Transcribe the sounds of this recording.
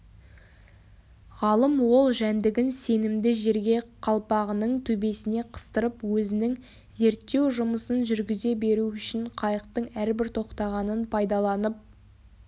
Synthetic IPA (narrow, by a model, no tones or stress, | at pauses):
ʁɑlˠəmwo̞lˠʒænd̪ɪɡʲɪnse̞nɪmd̪ɪʒe̞ɾɡʲe̞qʰɑlˠpɑʁənəɴt̪ʰɵbe̞sɪne̞qʰə̥st̪əɾəpwɵzɪnɪŋ | ze̞ɾt̪ːe̞wʒʊməsənʒʏɾɡʲɪze̞be̞ɾuʏʃɪɴqʰɑjəq̚t̪əɴæɾbɪɾt̪ʰo̞qt̪ɑʁɑnənpʰɑjd̪ɑlˠɑnəp̚